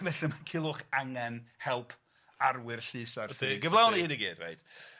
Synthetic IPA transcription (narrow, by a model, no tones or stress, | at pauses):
mɛɬamankʰɪlˠʊχaŋɛnhɛlˠpʰ | arwɪrɬɨːsarfɨiɡəvlˠawnihɨːniɡiːd̥ra̰jt